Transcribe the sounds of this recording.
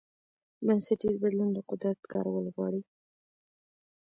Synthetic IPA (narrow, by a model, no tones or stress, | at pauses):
mansaʈizbad̪lund̪əqʊd̪ɾat̪kɑ̰ɾawəlɣwɑɽi